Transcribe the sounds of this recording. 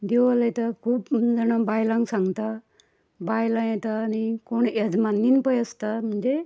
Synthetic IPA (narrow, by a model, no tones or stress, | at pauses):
d̪eʋaljet̪akʰuːpd͡zəɽ̃abajlãŋɡsãŋɡt̪a | bajlãjɛt̪aːnikoɳad͡zmanːinpəjəst̪am̤əɳd͡ze